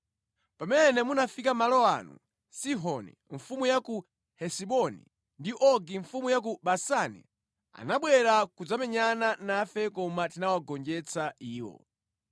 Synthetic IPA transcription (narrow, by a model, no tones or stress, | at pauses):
pamɛnɛmunafikamalɔa̰nṵ | siɦɔnḭ | ɱfumujaku | hɛsiɓɔnḭ | ndiʔɔɡiɱfumujak̬uɓasanḭ | a̰naɓwɛɾakud͡zamɛɲananafɛkɔmatinawaɡɔnd͡ʒɛt͡sʰaiːwɔ̰